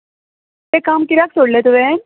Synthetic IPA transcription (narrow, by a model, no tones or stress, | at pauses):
ekaːmkiɾaːk̚soːɽlet̪oʋe